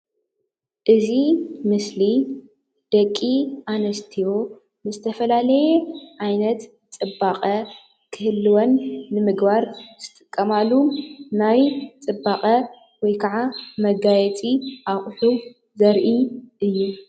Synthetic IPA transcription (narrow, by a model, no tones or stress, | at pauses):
ʔɨzimɨsli | d̪̥ɐkʼːiʔanɐst̪ʰijo̞ | mɨzɨt̪ʰɐfɐlalɐjɛʕajnɐt̪ | t͡sʼɨbaqʼɐ | kʰɨhɨlːɨwonːɨmɨɡbaɾz̥ɨt̪ʼɨkʼːɐmalːunajt͡sʼɨbːaχʼɐ | wɔjkʰɐʕamɐɡajɛt͡sʼiʔaχʼħu | zɐɾʔiʔɨjːu